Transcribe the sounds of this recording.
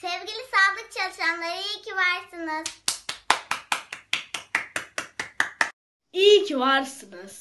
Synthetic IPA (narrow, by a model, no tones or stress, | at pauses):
sɛvɡʲilʲisaːld̪ˠɯk̚t͡ʃʰalˠɯʃanlˠaɾijcʰivaɾsɯnɯz̥ | ijcʰivaɾsɯnɯz̥